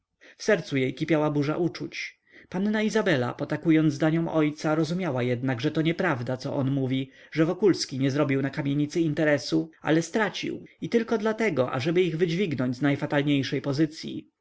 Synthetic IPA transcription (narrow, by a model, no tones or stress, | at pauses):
fsɛɾt̪sujejkʲipʲjawabuʐa̰ʔut͡ʂut͡ɕ | panːaizabɛla̰pɔt̪akujɔnd̪zd̪aɲɔmɔjt̪saɾɔzumʲjawajɛd̪naɡʐɛt̪ɔɲɛpɾavd̪at̪sɔ̰ʔɔnmuvʲiʐɛvɔkulskʲiɲɛzɾɔbʲiwnakamʲjeɲit̪sɘint̪ɛɾɛsua̰lɛst̪ɾat͡ɕḭwit̪ɘlkɔd̪lat̪ɛɡɔʔa̰ʐɛbɘiɣvɘd͡ʑvʲiɡnɔɲd͡ʑʲznajfat̪alɲejʂɛjpɔzɘt̪sʲjḭ